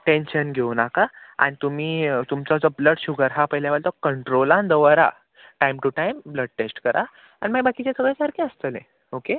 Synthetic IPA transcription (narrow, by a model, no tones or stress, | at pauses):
ʈenɕənɡʱeunakaa̰nit̪um̤iːt̪umt͡sɔd͡zɔbləɽɕuɡəɾɦapəjljaʋəɭt̪ɔkəɳʈɾolãnd̪əʋəɾa̰ | ʈajmʈuʈaimbləɖ̚ʈesʈkəɾʔa̰ | a̰ñimaɡbakit͡ɕesəɡɭekaɾkẽəst̪əlḛ̃ | oke